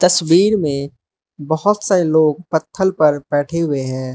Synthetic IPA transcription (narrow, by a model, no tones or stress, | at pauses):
t̪əswiːɾmẽ | bəɦʊt̪saːeloːɡ̚pət̪ʰːəlpɐɾbɛːʈʰeɦʊeɦɛ̃ː